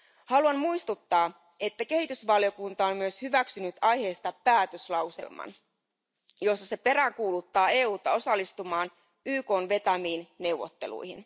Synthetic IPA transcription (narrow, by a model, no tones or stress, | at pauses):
hɑluɑnmuist̪ut̪ːɑː | e̞t̪ːæke̞hit̪ysʋɑljo̞kunt̪ɑommyøshyʋæksynyt̪ɑjhe̞ːst̪ɑpæːt̪øslɑwsḛlmɑ̰n | jo̞sːɑse̞pe̞ɾæŋkuːlut̪ːɑːe̞ːuːt̪ɑo̞sɑlːist̪umɑːn | yːko̞ːnʋe̞t̪æmiːnne̞wʋːˑo̰t̪ːe̞lṵjhḭn